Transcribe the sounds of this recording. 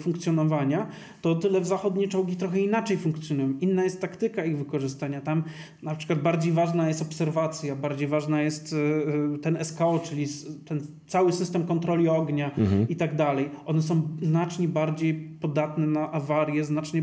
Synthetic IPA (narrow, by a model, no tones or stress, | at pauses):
fuŋkt̪sjɔnɔvaɲa | t̪ɔt̪ɘlɛvzaxɔd̪ɲɛt͡ʂɔwɡʲit̪ɾɔxɛinat͡ʂɛjfuŋkt̪sʲjɔnujɔ̃w̃ʔinːajɛst̪ːakt̪ɘkaiɣvɘkɔʐɘst̪aɲat̪am | napʂɘkwad̪̚baɾd͡ʑejvaʐnajɛst̪ɔpsɛɾvat̪sʲjabaɾd͡ʑejvaʐnajɛst̪t̪ɛnɛskaɔt͡ʂɘlʲist̪ɛn | t̪sawɘsɘst̪ɛmkɔnt̪ɾɔlʲiɔɡɲait̪aɡd̪alɛjʔɔnɛs̬ɔ̃w̃znat͡ʂɲɛbaɾd͡ʑejpɔd̪at̪nɛnaʔavaɾjɛznat͡ʂɲɛ